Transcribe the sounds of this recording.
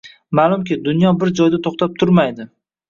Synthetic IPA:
malˠʊmkʲɪd̪ʊnjɒbɪɾd͡ʒɒjd̪at̪ʰoχt̪ʰap̚t̪ʰʊɾmajd̪ɪ

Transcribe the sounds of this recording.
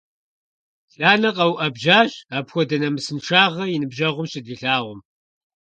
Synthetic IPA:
ɬaːnɐqʼɐwʔɐbʒaːɕaːpxʷɔdɐnɐmɨsɨnʂaːʁɐjɪnɨbʒɐʁʷʊmɕɪdiɬaːʁʷʊm

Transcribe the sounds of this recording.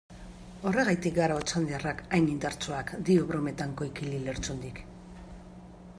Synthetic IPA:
o̞re̞ɣajt̪ik̚ɡaɾaot͡sand̪iarakajnind̪aɾt͡soakd̪ioβɾome̞t̪aŋko̞ikilile̞ɾt͡sund̪ik

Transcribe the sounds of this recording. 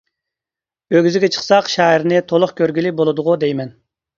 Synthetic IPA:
øɡʲyzɪɡʲɛt͡ʃʰə̥χsɑqʃɑːiɾnɪt̪ʰolˠʊχkʲøɾɡʲilibolˠɨd̪ʊʁud̪ejmɛn

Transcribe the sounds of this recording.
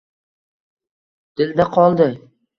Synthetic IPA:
d̪̥ɪld̪aqʰɒlˠd̪ɪ

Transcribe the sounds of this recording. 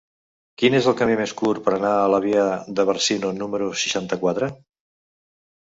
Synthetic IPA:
kinezəlˠkəmimeskuɾpəɾənaələβ̞iəðəβəɾsinunuməɾusə̥ʃant̪əkwat̪ɾə

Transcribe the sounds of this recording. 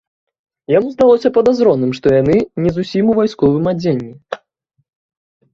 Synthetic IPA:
jamuzd̪alˠɔsʲɐpɐd̪azɾɔnːɨmʂt̪ɔjanɨnʲɛzusʲimuvajskɔvɨmad͡zʲenʲːi

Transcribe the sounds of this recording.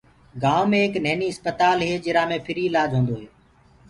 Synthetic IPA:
ɡaːʋmẽːɦeknəɦːniːɦəspət̪aːlɦeːd͡ʒɪɾãːmẽːpʰɪɾiːɪlaːd͡ʒɦõːnd̪oːɦeː

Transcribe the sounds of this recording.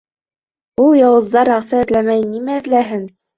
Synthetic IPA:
ulˠjɑwɤ̆zd̪ɑɾæχsæɘ̆ðlæmæjnimæɘ̆ðlæɦɘn

